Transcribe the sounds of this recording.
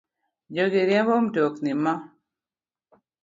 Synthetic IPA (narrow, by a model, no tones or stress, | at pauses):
d͡ʒoɡɪɾjɛmbɔmdoknima